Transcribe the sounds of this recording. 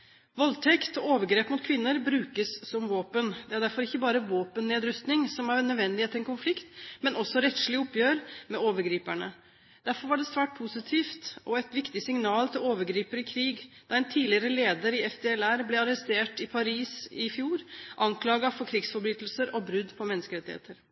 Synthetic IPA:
ʋɔlt̪ʰɛkt̪ɔoːʋəɾɡɾeːpmʊt̪kʰʋɪnːəɾbɾʉːkəsːɔmʋoːpənd̪ɛæɖæɾfɔɾɪçːəbɑːɾəʋoːpənneːd̪ɾʉst̪nɪŋsɔmæɾnːœd̪ʋɛnd̪ɪhːt̪ɪɛnkʰʊnflɪkt̪mɛnɔsːɔɾɛt̪ʂɭɪʊpjøːɾmɛoːʋəɾɡɾiːpæɳə | d̪̥æɾfɔɾʋɑɖɛsʋæːʈ̚pʰusɪt̪ʰiːft̪ʔɔɛt̪ʋɪkt̪ɪsɪŋnɑːlt̪ʰɪloːʋəɾɡɾiːpəɾɪkʰɾiːɡd̪̥ɑːɛnt̪ʰiːlɪəɾəleːd̪əɾɪɛfd̪eɛlæɾblɛɑɾəst̪eːʈɪpʰɑɾiːsɪfjuːɾʔɑŋkʰlɑːɡɑfɔɾkʰɾɪɡsfɔɾbɾyːt̪əl̩səɾɔbɾʉd̪ːpʰɔmɛnːəskəɾɛt̪ɪhḛːt̪əɾ

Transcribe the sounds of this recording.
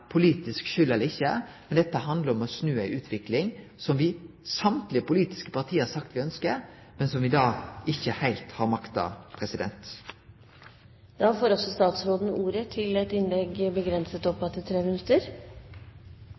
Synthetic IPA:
pʰʊliːt̪ɪskʃʏlːɛlːəɪçːəmɛnd̪ɛt̪ːəɦɑnd̪əɾɔmɔsnʉːəɪʔʉːt̪ʰʋɪklɪŋsɔmʋɪsɑmt̪lɪəpʊliːt̪ɪ̥skə̥pɑt̪ʰiːəəɾsɑkt̪ʋɪœnskəɾ | mɛnsɔmʋɪd̪ɑːɪçːəhæɪlt̪hɑɾmɑkt̪ɑ̰pʰɾɛsɪd̪ɛ̰nt̪ | d̪ɑːfoːɾɔsɔst̪ɑːt̪sɾoːd̪nuːɾət̪ʰɪlɛt̪ɪnlɛɡbəɡɾɛnsət̪ɔpfɑt̪ːət̪ʰɾeːmɪnʉt̪ːəɾ

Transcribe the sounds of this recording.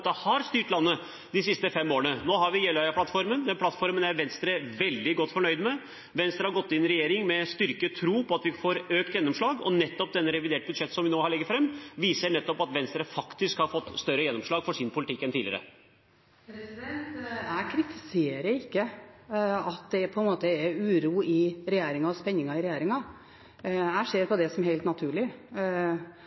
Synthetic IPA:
t̪ːəhɑɾst̪yːʈlɑnːə | d̪ɪsɪst̪əfɛmːoːəɳənoːɦɑɾʋɪjɛlɑʏɑpʰlɑt̪ːfɔɾmənd̪ɛnplɑt̪ːfɔɾmənæɾʋɛnst̪ɾəʋɛld̪ɪɡɔt̪ːfɔɳœʏd̪mɛ | ʋɛnst̪ɾəhɑɾɡɔt̪ːɪnɾɛjeːɾɪŋmɛst̪ʏɾkət̪ʰɾuːpʰɔɑt̪ʋɪfoːɾøːkt̪jɛnːɔmʂɭɑːɡɔ̰nɛt̪ːɔp̚d̪ɛnːəɾɛʋɪd̪eːʈ̚bʉd̪ʂɛt̪ːsɔmʋɪnoːhɑɾɭɛɡːəfɾɛmːʋiːsəɳɛt̪ːɔpɑt̪ʋɛnst̪ɾəfɑkt̪ɪskhɑɾfɔt̪ːst̪œɾəjɛnːɔmʂɭɑːɡfɔʂɪnpʰʊlt̪ɪkːɛnt̪ʰiːlɪəɾə̰ | pʰɾɛsɪd̪ɛnt̪æɪkʰɾɪt̪ʰɪseːɾəɾɪkːə | ɑt̪̚d̪ɛpʰɔɛnmoːt̪əæɾʉːɾuːɪɾɛjeːɾɪŋɑɔspɛnːɪŋɑɪɾɛjeːɾɪŋɑ | æɪseːɾpɔd̪ɛsɔmɦeɪlt̪nɑt̪ʰʉːɭɪ

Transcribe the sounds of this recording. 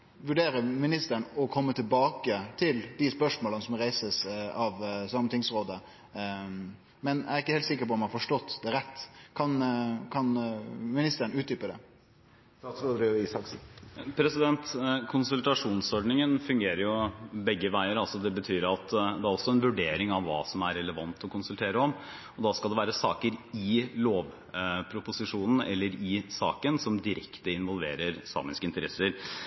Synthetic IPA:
ʋʉɖeːɾəmɪnɪst̪əɾɳɔkʰɔmːət̪ʰɪlbɑːkət̪ʰɪld̪ɪspœʂmoːlənəsɔmɾæɪsəsɑʋsɑmːət̪ʰɪŋsɾoːd̪ə | mɛnæ̰ɾɪkːəheɪt̪sɪkːəpɔmɑfɔʂʈɔt̪ːd̪ɛɾɛt̪ːkʰɑnkʰɑnmɪnɪst̪əəɳʉːt̪d̪yːpəd̪ɛ̰ | ɑsɾoːd̪əɾiiːsɑkspʰɾɛsɪd̪ɛnt̪kʰʊnsʉlt̪ɑʂuːnsɔɖnɪŋənfʉŋɡeːɾəɾjʊbɛɡːəʋæɪəɾɑlsɔd̪ɛbət̪ʰyːɾɑt̪d̪ɛæɾɔsːɔɛnʋʉɖeːɾɪŋɑʋːɑ̰ːsɔmæɾɛləʋɑnt̪ɔkʰʊnsʉlt̪ʰeːɾəɔm | ɔd̪ɑːskɑld̪ɛʋæːɾəsɑ̰ːkəɾɪloːʋ | pʰɾʊpʊsɪʂuːnn̩ɛ̰lːəɾɪsɑ̰ːkənsɔmd̪ɪɾʔɛkt̪əɪnʋɔlʋḛːɾəɾsɑ̰ːmɪskəɪnt̪əɾɛsːəɾ

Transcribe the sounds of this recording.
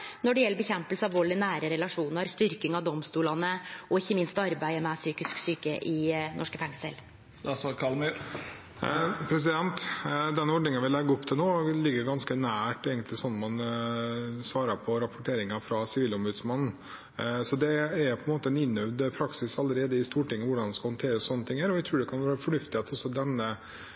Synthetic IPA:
nɔɖɛjɛlːəbəçɛmpəlsəɑʋɔlːɪnæːɾəɾɛlɑʂuːnəɾst̪ʏɾkɪŋɑʋd̪ɔmst̪uːlɑnəɔɪçːəmɪnst̪ɑɾbæɪəmɛsyːkɪsksyːkə̰ʔɪnʔɔʂkəfɛŋsə̰l | sɑkʰɑlmyɾ | pʰɾɛs̬ɪd̪ɛnt̪d̪ɛnɔɖɳɪŋənʋɪlɛɡːəɔpt̪ʰɪlnoːlɪɡːəɾɡɑnskənæːʈeːɡənt̪lɪsɔnːmɑn | sʋɑːɾɑpʰɔɾɑpʊʈʰeːɾɪŋɑfɾɑsɪʋiːlʊmbʉd̪smɑnn̩ | sɔd̪ɛæɾjʊpʰɔɛnmoːt̪əɛnɪnːœʋd̪pʰɾɑksɪsɑlːəɾeːd̪əɪst̪uːʈɪŋːəʋʊɖɑnd̪ɛnskɑhɔnt̪ʰeːɾəssɔnːət̪ʰɪŋhæːɾɔʋæɪt̪ʰɾʉːɖɛkʰɑnʋæːɾəfɔɳʉft̪ɪhet̪ʰɔsːɔd̪ɛnːə

